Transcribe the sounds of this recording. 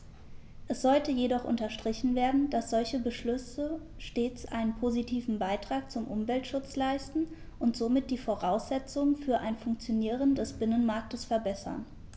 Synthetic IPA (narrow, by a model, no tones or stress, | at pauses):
ʔɛsz̥ɔltəjedɔχʔʊ̰ntɐʃtʁ̥ɪçn̩veːɐdn̩d̥asz̥ɔlçəbəʃlʏsə | ʃteːt͡sʔa̰ɪnənpʰozitʰiːvn̩baɪtʁ̥aːk̚t͡sʊmʔʊmvɛltʃʊt͡slaɪstn̩ | ʔʊntz̥oːmɪt̚d̥iːfoʁaʊsz̥ɛt͡sʊŋfyːɐʔaɪnfʊŋkt͡sjoniːʁəndɛsb̥ɪnənmaɐk̚təsfɛɐbɛsɐ̰n